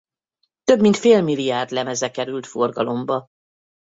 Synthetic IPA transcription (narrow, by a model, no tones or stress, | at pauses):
t̪ø̞bmint̪feːlmilːijaːrd̪lɛmɛzɛkɛɾylt̪fo̞rɡɒlo̞mbɒ